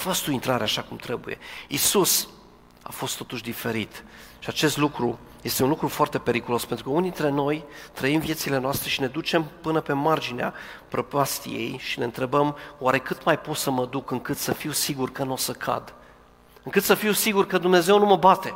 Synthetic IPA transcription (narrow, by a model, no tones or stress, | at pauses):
fəst̪uint̪ɾaɾeaʃakumt̪ɾe̞buje̞̰isus | a̰fo̞st̪ːo̞t̪uʃd̪ife̞ɾit̪ʃiat͡ʃe̞st̪lukɾu | je̞st̪eunlukɾufoart̪e̞pe̞ɾikulo̞spent̪ɾukəunid̪int̪ɾe̞no̞jt̪ɾəimvje̞t̪sile̞noast̪ɾe̞ʃine̞d̪ut͡ʃe̞mpɨnəpe̞mard͡ʒinea̰pɾopast̪ḭjḛjʃine̞ɨnt̪ɾe̞bəmowaɾe̞kɨt̪majpot̪səməd̪ukɨŋkɨt̪səfiwsiɡurkənosəkʰa̰d̪ | ɨŋkɨt̪səfiwsiɡurkəd̪umne̞ze̞wnuməbat̪e̞